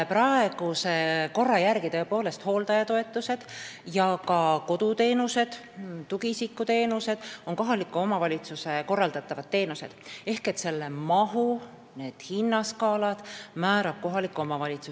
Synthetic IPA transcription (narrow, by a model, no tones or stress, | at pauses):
prɑe̞ɡ̥useko̞rːɑjærɡ̥it̪ɤ̞epo̞ːle̞st̪ho̞ːlt̪ɑjɑt̪o̞e̞t̪ːˑuse̞d̪̥jɑkɑko̞d̪̥ut̪e̞ːnuse̞d̪̥ | t̪uɡisikːˑut̪e̞ːnuse̞d̪̥o̞nko̞ɦɑlikːˑuo̞mɑvɑlʲit̪suse̞ko̞rːɑld̪̥ɑt̪ːˑɑvɑd̪̥̚ːe̞ːnuse̞̰d̪̥e̞hke̞t̪se̞lːe̞mɑɦu | ne̞ːd̪̥hinːɑskɑːlɑd̪̥mæːɾɑb̥̚ko̞ɦɑlikːˑuo̞mɑvɑlʲit̪su